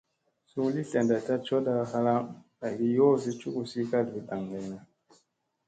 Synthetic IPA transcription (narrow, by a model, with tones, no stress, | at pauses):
su˦li˦ɬe˨nda˨ta˦t͡ʃo˦da˦ha˦la˦m | a˨ɾi˦jo˦˨zi˦t͡ʃu˦ʔu˨si˦ka˦dbi˨da˨ŋɡa˨jna˨